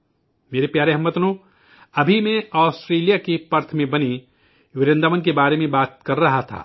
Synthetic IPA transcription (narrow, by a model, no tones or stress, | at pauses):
meːɾepjaːɾeɦɐmːət̪nõ | ɐbʱimẽaːsʈɾeːlijakipɐɾt̪ʰmẽbɐni | ʋɪɾẽnd̪aːmənkebaːɾemẽbaːt̪̚kɐɾːɐɦat̪ʰa̰ː